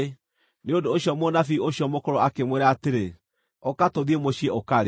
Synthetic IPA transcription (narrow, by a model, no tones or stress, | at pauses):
neondoːɕiɔmonafioɕiɔmokɔɾɔakemweɾaaːteɾe | okatoðiemoɕiɛokaɾe